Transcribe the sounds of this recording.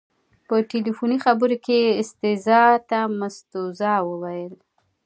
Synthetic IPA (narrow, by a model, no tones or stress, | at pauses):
pəʈelifunixabəɾokeɪst̪ɪzɑt̪amast̪uzɑwəwajəl